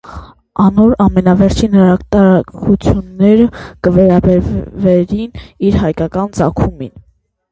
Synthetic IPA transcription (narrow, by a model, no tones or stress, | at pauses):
ɑnɔɾɑmɛnɑvɛɾt͡ʃʰinəɾɑt̪ɑɾɑkʰut͡sʰjunːɛɾəkəvɛɾɑbɛɾvvɛɾiniɾɦɑjkɑkɑnt͡sɑ̰kʰumin